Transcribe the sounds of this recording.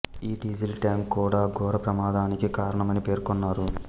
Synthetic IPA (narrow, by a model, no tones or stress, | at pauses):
iːɖiːd͡ʒilʈjaːŋkːuːɽaːɡɔːɾɐpɾɐmaːd̪aːnikikaːɾɐɳɐmɐnipe̞ːɾkɔnːaːɾu